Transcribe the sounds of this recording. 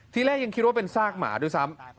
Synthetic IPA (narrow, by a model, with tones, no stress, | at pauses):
t̪ʰiː˥˩lɛː˥˩k̚ja˧kʰi˦˥t̪̚wa˥˩pe˧nsaː˥˩k̚ma̰ː˩˦doː˧˩jsa˦˥m